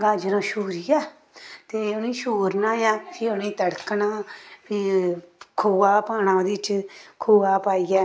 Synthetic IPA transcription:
ɡãːd͡ʒnõːʃuːɾijɛː | t̪eːʊnĩːʃoːɾnaːjãːpʰiʊnĩːt̪əɽknaːpiːkʰoːaːpaːñãːod̪iːt͡ʃkʰoːaːpaːiːɛː

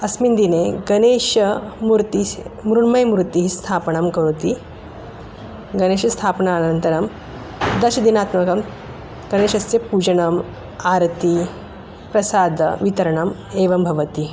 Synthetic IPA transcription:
ɐsmind̪ineɡɐneʃɐmɾt̪imɾuɳmɐjmɾut̪iɦiːst̪ʰapɳɐmkɐɾut̪iː | ɡɐneːʃɐst̪ʰapɳaːlnɐnt̪ɐɾɐm | d̪ɐʃɐd̪inat̪mɐkɐm | ɡ̥ɐneːʃɐst͡sepuːd͡ʒɐɳɐm | aɾt̪i | pɾɐsaːd̪ʱɐ̰ʋit̪ɐɾɐɳɐm | eʋɐmbʱɐʋɐt̪i

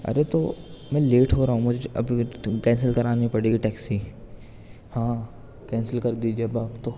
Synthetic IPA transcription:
ɐ̰ɾet̪omɛ̃ːleːʈɦoɾaːɦũmʊd͡ʒʱeɐ̰bʱikɛ̃ːnsəlkɐɾaːnipɐɽeːɡiʈɛːksi | hãː | kɛ̃ːnsəlkɐɾd̪iːd͡ʒiebaːpt̪o

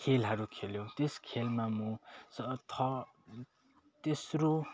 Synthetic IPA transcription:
kʰelɦʌɾukʰeljot̪eskʰelmamusʌt̪ʰʌ | t̪esro

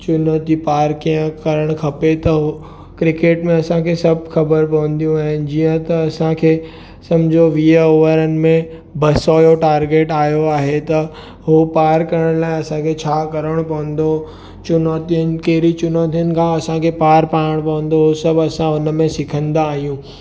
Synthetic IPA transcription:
t͡ɕʊnot̪ipaːɾkiə̃kɐɾəɽ̃kʰɐpet̪ɐɦ | kɾɪkeːʈmẽɐsãkʰesɐbxɐbəɾpɐʋə̃nd̪ijũaːɦɪnɪ̆d͡ʑiːə̃t̪ɐːsãkʰeː | sɐ̃md͡ʑʱoʋiəoːʋəɾənɪ̆mẽ | bɐsoːjoʈaːɾɡeːʈaːjoaːɦet̪ɐ | ɦopaːɾkɐɾəɽ̃laːɪɐsãkʰet͡ɕʰaːkɐɾəɽ̃pɐʋə̃n̆d̪o | t͡ʃʊnoːt̪iən̆keːɾit͡ɕʊnoːt̪ijənɪ̆kʰãɐsãkʰepaːɾpaːəɽ̃pɐʋə̃nd̪oɦosɐbɐsãʊnmẽsɪkʰə̃nd̪aːɦijũː

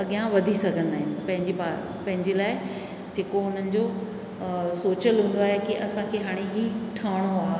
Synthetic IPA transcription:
ɐɠijãʋɐd̪ʱisɐɡʱə̃nd̪aːɦɪnɪ̆pɐ̃ɦɪɲd͡ʑipaː | pɐ̃ɦɪ̃ɲd͡ʑelaːɪ | d͡ʑeːkoʊn̤ənɪ̆d͡ʑo | soːt͡ɕəlɦũːn̆d̪oaːɦekiʔɐsãkʰeɦaːɽ̃eɦiːʈʰaːɽ̃oaːɦ

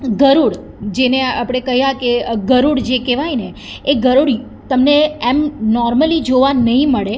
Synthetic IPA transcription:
ɡəɾuɽ | d͡ʒeneapɽ̃ekəɦijakeɡəɾuɽd͡ʒekeʋajneː | ɡəɾuɽi | t̪əmneemnɔɾməlid͡ʒoʋanəɦĩməɭe

